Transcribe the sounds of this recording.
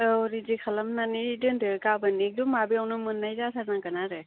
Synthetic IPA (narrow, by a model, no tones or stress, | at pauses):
ɔɾidikʰalamnanidɯndɯɾkabɯnik̚dumabiawnɯmɯnːajzasʰaɾnakanaɾɯ